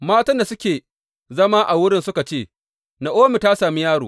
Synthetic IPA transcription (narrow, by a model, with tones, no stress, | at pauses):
maː˦tɐ˦nda˨sʊ˦kʲeː˨ | zɐ˦maː˦ʔa˨wʊ˦ɽɪ˦nsʊ˦ka˨t͡ʃeː˦˨ | na˨ʔoː˦mɪ˨ta˦saː˨mi˦jaː˦ɽoː˨